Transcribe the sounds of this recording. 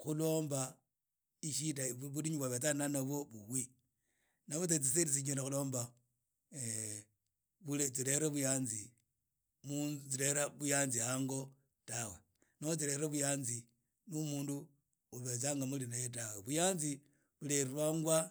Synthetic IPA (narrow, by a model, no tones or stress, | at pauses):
xulo̞ːmba | iʃitaβuliɲuβaβet͡sananaβoβuwi | naβot͡sat͡sis̬eɾis̬iɲelaxulo̞ːmba | βulet͡siɾeɾaβujaːnzi | mut͡siɾeɾaβujanzihaŋɡo̞ | tawe | nawot͡sileɾaβujaːnzi | numuːndu | uβet͡saŋɡamulinajet̬aweβujaːnzi | βuleɾiɾwaŋɡwa